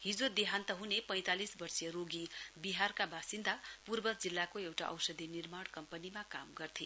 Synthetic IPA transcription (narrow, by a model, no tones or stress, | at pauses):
ɦid͡zod̪eɦant̪ʌɦunepʌj̃t̪alisbʌrsijʌɾoɡibiɦarkabasind̪ʱapurbʌd͡zilːakoewʈa̰ʔʌ̰wsʌd̪ʱinirmaɽkʌmpʌnimakamɡʌrt̪ʰi